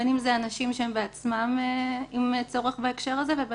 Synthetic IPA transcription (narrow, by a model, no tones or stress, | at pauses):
enimzeanaʃimʃeembeat͡smameimt͡soʁeχbaekʃe̞ʁazeveb